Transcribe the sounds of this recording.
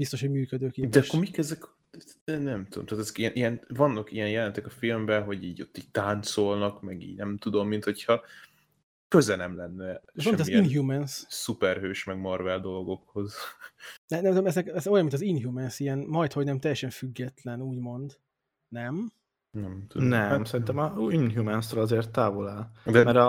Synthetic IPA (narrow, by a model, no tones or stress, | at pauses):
bist̪o̞ʃho̞ɟmyːkød̪øːkeːd̪ɛʃkormikɛzɛk̪ | nɛmt̪ud̪o̰mt̪aːt̪ɛzɛkijɛnʔijɛnvɒnːɒkijɛnjɛlɛnt̪ɛkɒfilmbɛɦo̞ɟiːɟo̞t̪ːiːɟ̚t̪ant̪so̞lnɒkmɛɡḭːɟnɛmt̪ud̪o̞mːint̪ho̞chɒ | køzɛnɛmlɛnːɛonmmit̪ɔziinɦjumɛnssupɛrɦøːʃmɛɡmɒrvɛld̪o̞lɡo̞kho̞z | ɛɛmt̪omɛzɛkɛzo̞jɒmːint̪zinɦjumɛnsijɛnmɒjt̪hoɟnɛmt̪ɛjːɛʃɛɱfyɡːɛt̪lɛnuːɟmo̞nd̪ | nɛm | nɛmt̪unɛmsɛɾint̪ɛmɒinɦjumɛnsolɒzeːrt̪ːaːvolɛːld̪mɛɾɒ